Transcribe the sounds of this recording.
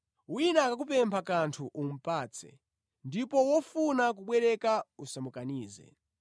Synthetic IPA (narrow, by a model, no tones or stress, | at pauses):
winakak̬up̬ɛmpʰakantʰuʔum̩paːt͡sʰɛ̰ | ndipɔwɔfunak̬uɓwɛɾɛkausamukaniːzɛ̰